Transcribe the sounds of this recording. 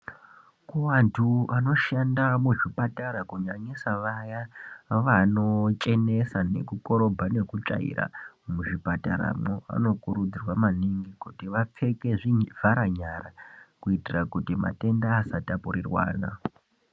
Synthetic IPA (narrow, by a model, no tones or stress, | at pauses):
kuwantʰuano̞ʃandamuʐipataɾakuɲaɲisaʋajaʋano̞t͡ʃʼe̞ne̞sane̞̰kuko̞ɾo̞bʱane̞kut͡ʂa̰ḭra̰muʐipataɾa̰moa̰no̞kuɾud͡zirwamaniŋɡikutiʋap͡fe̞ke̞ʐivʱaɾaɲarakuitirakutima̰te̞ndaːsatapuɾirwa̰ːna̰